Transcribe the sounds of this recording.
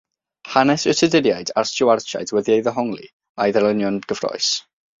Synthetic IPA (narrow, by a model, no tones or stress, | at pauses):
hanɛsʊtʰədɪdjajdarst͡ʃɪwart͡ʃa̰jdwɛðiejðəɦɔŋlˠḭ | ajðələnjɔnɡ̥əv̥rɔ̰js